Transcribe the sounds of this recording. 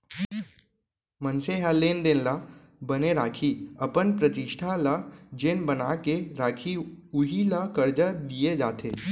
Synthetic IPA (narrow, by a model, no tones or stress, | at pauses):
mə̃nseɦalːeːnd̪ɪnla | bɐneɾaːkʰiɐpənpɾət̪ɪʃʈʰalad͡ʒenbənaːkeɾaːkʰiʊɦilakəɾd͡ʒad̪ijed͡ʒaːt̪ʰeː